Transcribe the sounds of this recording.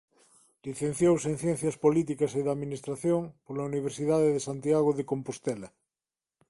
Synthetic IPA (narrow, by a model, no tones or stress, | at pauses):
liθẽn̟θjowseŋθjɛn̟θjaspolit̪̬ikaseðaðminist̪ɾaθjoŋpoɾlauniβ̞eɾsiðaðeðesant̪iaɣ̞oðekompost̪ɛla